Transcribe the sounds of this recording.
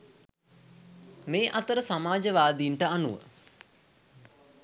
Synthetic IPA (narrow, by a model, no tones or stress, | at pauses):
meːʔat̪əɾəsamaːd͡ʒəʋaːd̪iːɳʈəanuʋə̰